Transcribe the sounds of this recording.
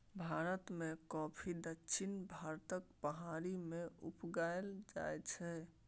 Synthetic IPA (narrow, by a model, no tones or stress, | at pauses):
bʱaɾət̪mẽkɔpʰid̪əkːʃʰinbʱaɾt̪əkpəɦaɾimẽupɡaeld͡ʒa̰jt͡ʃʰɛ